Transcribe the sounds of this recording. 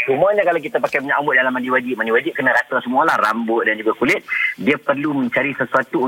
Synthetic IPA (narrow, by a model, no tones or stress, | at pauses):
t͡ʃumuaɲakalak̬it̪apakajməɲaʔambʊʔ̚dalamandiwad͡ʒɪʔ̚mandiwad͡ʒɪp̚kənaɾat̪asəmũalahrambʊʔ̪̚dand͡ʒuɡakulɪt̪̚diapərlumə̃ɲt͡ʃaɾisəsuat̪u